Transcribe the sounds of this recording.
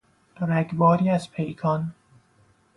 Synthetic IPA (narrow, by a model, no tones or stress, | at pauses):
ɾæɡbɒːɾiːæzpʰejkʰɒn